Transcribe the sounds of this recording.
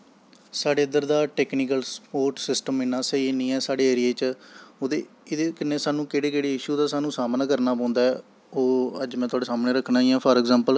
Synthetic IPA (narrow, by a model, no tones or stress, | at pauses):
saːɖeːəd̪əɾd̪aːʈɛːkniːkəlspoːɾʈsɪsʈəmɪnaːsəiːnĩːɛːsaːɽeːeːɾieːt͡ʃoːd̪eː | ɪd̪eːkɪnːeːsaːnũːkeːɽeːkeːɽiːɪʃuːd̪aːsaːnũːsaːmnãːkəɾnaːpɔ̃ːnd̪aːɛː | oːəd͡ʒmɛ̃ːt̪ʊwaːɖeːsaːmnẽːɾəkʰnaːiːãːpʰɔːɾɛɡzãːmpəl